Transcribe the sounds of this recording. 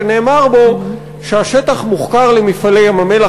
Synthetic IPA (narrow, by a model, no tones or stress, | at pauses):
ne̞ːmaʁbo̞ | ʃeaʃe̞t̪aχmuχkaʁlemifale̞jamame̞la